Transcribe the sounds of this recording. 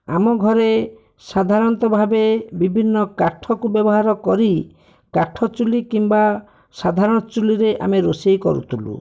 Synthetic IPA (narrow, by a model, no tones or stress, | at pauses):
a̰mɔɡʱɔɾe | sad̪ʱaɾɔnt̪ɔbʱabebibʱinːɔkaʈʰɔkubjɔbɔɦaɾɔkɔɾi | kaʈʰɔt͡ʃulikimba | sad̪ʱaɾɔɽ̃ɔt͡ʃuliɾeʔa̰meɾosejkɔ̰ɾṵt̪ʰulṵ